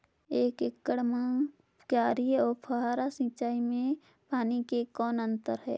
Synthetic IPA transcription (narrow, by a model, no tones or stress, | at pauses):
eːkɪkːəɽməŋ | kjaːɾijɔːɾpʰəɦaːɾasĩːt͡ʃaːimẽ | paːnikekɔːnə̃nt̪əɾɦɛ̰ː